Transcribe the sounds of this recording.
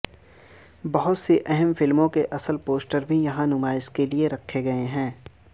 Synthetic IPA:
bɐɦʊt̪seʔɛɦɛmfɪlmõkeʔɐsəlpoːsʈəɾbʱijɐɦãnʊmaːɪskelieɾɐkʰːeɡɐeɦɛ̃ː

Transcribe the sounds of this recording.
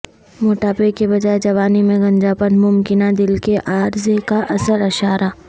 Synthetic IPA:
moːʈaːpekebɐd͡ʒaːed͡ʒɐʋaːnimẽɡɐ̃ɲd͡ʒaːpənmʊmkɪnad̪ɪlkeʔaːɾzekaʔɐsəɾɐʃaːɾaː

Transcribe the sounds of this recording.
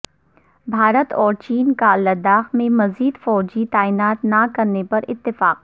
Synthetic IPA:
bʱaːɾət̪ɔːɾt͡ʃiːnkalɐd̪aːxmẽmɐziːd̪fɔːd͡ʒit̪aːinaːt̪nakɐɾnepɐɾɪt̪ːɪfaːq

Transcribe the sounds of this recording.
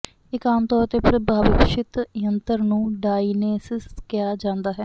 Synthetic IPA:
ɪkaːmt̪ɔːɾt̪eːpɾəbʱaːbɪpʃɪt̪jənt̪əɾnũːɖaːineːsɪskɪjaːd͡ʒãːnd̪aːɦɛː

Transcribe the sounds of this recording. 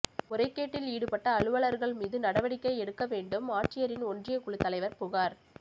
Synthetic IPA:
ʊɾɐɪkːeːʈːɪliːɽɯpɐʈːɐːɭɯʋɐɭɐɾɣɐɭmiːðɯnɐɽɐʋɐɽɪkːɐɪɛɽɯkːɐʋeːɳɖɯmaːʈrɪjɐɾɪnɔndrɪjɐkʊɭɯt̪ːɐlɐɪʋɐɾpʊɣaːɾ

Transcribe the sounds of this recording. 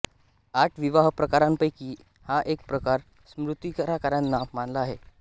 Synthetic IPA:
aʈʰʋiʋaɦpɾəkaɾampəjkiː | haʔek̚pɾəkaɾ | smɾut̪ikəɾakəɾjanːamanlaːɦe

